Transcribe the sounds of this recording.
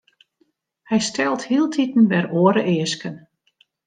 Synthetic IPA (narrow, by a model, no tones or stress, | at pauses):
hɛjstɛlˠthiəlˠtʰitən̩bɛroːəɾəʔɪːəskən